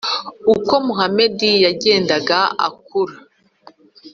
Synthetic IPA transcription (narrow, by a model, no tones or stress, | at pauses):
uko̞muɦame̞dijaɟe̞ːndaɡaa̰kuɾa